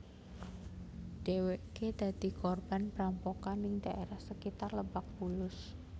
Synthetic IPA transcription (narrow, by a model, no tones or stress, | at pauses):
d̥eweked̪̥ä̤d̪̥i̤kɔrb̥anpɾampokanɪŋd̪̥aʔeɾahsəkit̪arləbak̚b̥ulʊs